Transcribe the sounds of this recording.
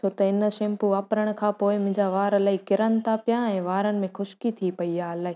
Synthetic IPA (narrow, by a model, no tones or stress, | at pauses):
t͡ɕʰoːt̪ɐɪnə̆ʃẽːmpuʋaːpɾəɽ̃̆kʰãːpoːɪmʊ̃ɦɪ̃ɲd͡ʑaʋaːɾɐlaːikɪɾən̆t̪apjãɛ̃ːʋaːɾənɪ̆mẽxʊʃkit̪ʰipɐiaːɐlaːɦɪ